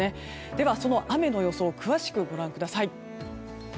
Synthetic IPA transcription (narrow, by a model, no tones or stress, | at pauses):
e | d̪̥e̞βaso̞no̞ʔame̞no̞jo̞so̞ːkɯ̟βaɕi̥kɯ̟ɡo̞ɾãŋkɯ̟d̪asai